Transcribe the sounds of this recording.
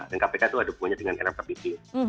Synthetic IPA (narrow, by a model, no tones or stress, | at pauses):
dənkapekat̪uadapuaɲadəŋanḛɾapt̪abit̪i